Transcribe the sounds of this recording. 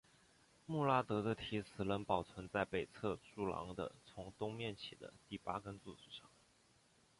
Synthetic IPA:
mu˥˩la˥t̪ɤ˧˥d̪ə˧t̪ʰi˧˥sʰɹ̩˨˩lə˧˥npɑ˨˩ʊt͡sʰwə˧˥nt͡sa˥˩ɪpe˨˩ɪt͡sʰɤ˥˧ʈ͡ʂu˥˩lɑ̰˧˥ŋd̪ə̰˧t͡sʰʊ˧˥ŋt̪ʊ˥ŋmjɛ˥˩nt͡ɕʰi˨˩d̪ə̰˦t̪i˥˩pa˥kə˥nt͡su˥˩t͡su˥˩ʂɑ˥˩ŋ

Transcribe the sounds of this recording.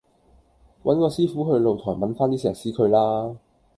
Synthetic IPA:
wɐ˨˥nkɔː˧siː˥fuː˨˥ɦɵ˧ɥlo˨˧wt̪ʰɔ̰ː˨˩jmɐ˨˥nfaː˥nt̪iː˥sɛ̰ː˨˩ksiː˨˥kʰɵ˨˧ɥlaː˥

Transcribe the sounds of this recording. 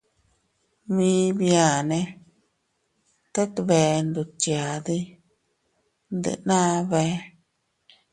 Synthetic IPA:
mĩ˧˦bja˨nẽ˧ | t̪a˦t̪βe˧˨nd̪u˨t͡ʃja˨d̪i˦ | nd̪ɨ̰˨nã˦βe˧˦

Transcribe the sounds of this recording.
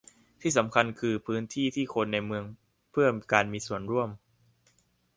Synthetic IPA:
t̪ʰiː˥˩sa˩˦mkʰa˧nkʰɯː˧pʰɯː˦˥nt̪ʰiː˥˩t̪ʰiː˥˩kʰo˧nːa˧jmɯ˧əŋ | pʰɯ˥˩əkaː˧nmiː˧su˨˩ənɾu˥˩əm

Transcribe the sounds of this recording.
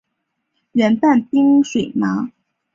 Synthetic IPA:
ɥɛ˧˥npa˥˩npi˥ŋʂwe˨˩ɪma˧˥

